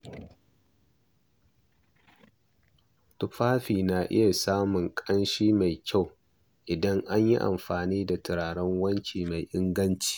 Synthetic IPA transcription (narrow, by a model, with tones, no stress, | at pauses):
tʊ˦ɸaː˦ɸiː˨na˨ʔɪ̰˦ja˨saː˦mʊ˨ŋkʼɐ˦nʃiː˦ma˨jkʲa˦˨w | ʔɪ˨dɐ˦ŋʔa˦ɲji˦ʔa̰˨mɸaː˨niː˦da˨tɪ˨ɽaː˨ɽɐ˦ŋwɐ˦nt͡ʃʲiː˨ma˨jʔɪ˦ŋɡɐ˦nt͡ʃi̥ː˨